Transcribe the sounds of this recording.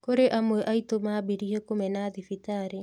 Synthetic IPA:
koɾeʔamweʔaitomabiɾiɦekomɛnaðifitaɾe

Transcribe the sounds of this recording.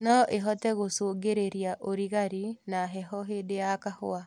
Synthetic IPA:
nɔʔeɦɔtɛɣosoːɡeɾeɾiaʔoɾiɣaɾinaɦɛhɔɦedeakahoa

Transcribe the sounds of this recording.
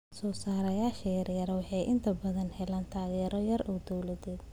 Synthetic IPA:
sɔːsaːɾɐjaːʃɐjɐrjɐɾwɑħɑjʔɪnt̪ʰɐbɐðɐnhɛlaːnt̪ʰaːɣɛːɾɔjɐrɔːd̪ɔwlɐðɛːd̪

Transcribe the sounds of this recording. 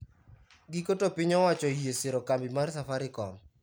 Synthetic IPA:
ɡikotopɪɲɔwat͡ʃɔjeseɾokambɪmarsafaɾɪkɔm

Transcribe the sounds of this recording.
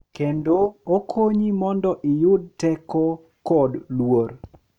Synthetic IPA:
kendookʰoɲimɔndɔʔɪjʊd̚tɛkɔ | kɔdlwor

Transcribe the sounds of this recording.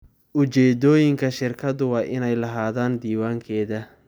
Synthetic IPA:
ʔʊt͡ʃɛːd̪ɔːjɪŋkʰɐʃɪrkʰɐd̪ʊwɑːʔɪnɛjlɐɦaːðaːnd̪iːwaːŋkʰɛːðɐ

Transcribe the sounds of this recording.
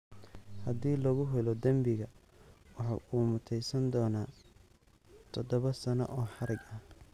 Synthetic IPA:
hɐd̪iːlɔɣʊɦʊlɔd̪ɐmbɪɣɐ | wɑħɑ̰ʔuːmʊt̪ʰɛjsɐnd̪ɔːnaː | t̪ʰɔd̪ɔβɐsɐnɔ̰ʔɔːħɑɾɪɡɐh

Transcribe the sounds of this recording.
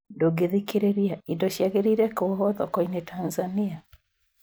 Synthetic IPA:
ndoɡeðikeɾeɾiaindoʃjaɣeɾiɾɛkoɣɔðɔkɔinetanzania

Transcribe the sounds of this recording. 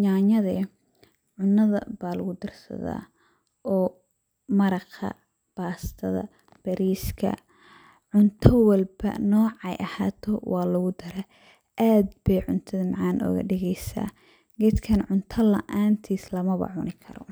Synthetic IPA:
ɲaːɲɐðɛ | ʕʊnːɐðɐ̰baːlɐɣʊd̪ɪrsɐ̰ða̰ː | ʔɔː | mɐɾɐqɐ̰ | b̥aːst̪ʰɐðɐ̰ | b̥ɐɾiːskʰɐ̰ | ʕʊnt̪ʰɐwɐlbɐ̰nɔːʕɛ̰jʔɐhaːt̪ʰɔwʔɑːlɐɣʊd̪ɐɾɛ | ʔaːd̪bɛjʕʊnt̪ʰɐðɐmɑʕaːnʔɔ̰ːɣɐ̰ɖɪɣɛjsa̰ː | ɡɛd̪kʰɐnʕʊnt̪ʰɐlɐ̰ʔaːnt̪ʰiːslɐmɐβɐ̰ʕʊnɪkʰɐɾɔ̰

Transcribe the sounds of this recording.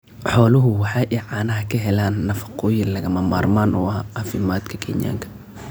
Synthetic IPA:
ħɔːlʊɦʊwɑħɑːʔɛʕɑːnɐɦɐkʰɐɦɛlaːnːɐfɐ̥qʰɔːjɪlɐɣɐmɐma̰ːrmaːnʔʊ̰ɐaɐfɪmaːd̪kʰɐkʰɛnɪ̰ja̰ːŋkʰɐ̥

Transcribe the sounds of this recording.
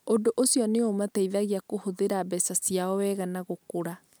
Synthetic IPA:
odoʔosjɔneomatɛiðaɣiakohoðeɾabɛsasijaɔwɛːɣanaɣokoɾa

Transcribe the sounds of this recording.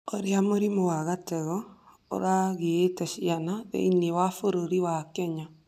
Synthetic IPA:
oɾjamoɾimowaɣatɛɣɔ | o̰ɾaɣietɛʃianaðḛinewafoɾoɾiwakɛɲa

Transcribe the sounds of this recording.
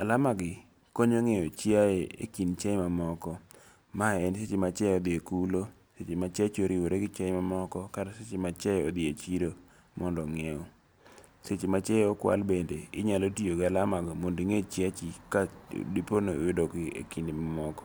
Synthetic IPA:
alamaɡɪ | koɲoŋeot͡ʃiaeḛkint͡ʃɛjmamɔkɔ | maɛnset͡ʃemat͡ʃɛɔd̪ɪekulo | set͡ʃemat͡ʃat͡ʃoɾiwoɾeɡɪt͡ʃɛjmamɔkɔkaɾaset͡ʃemat͡ʃɛjɔ̰d̪ɪet͡ʃiɾo | mɔndɔŋeɔ | set͡ʃemat͡ʃɛjɔkwa̰lbendeɪ̰ɲalotioɡalamaɡɔmondiŋet͡ʃjat͡ʃika̰diponḛwɪdokɪḛkindɪmamɔkɔ̥

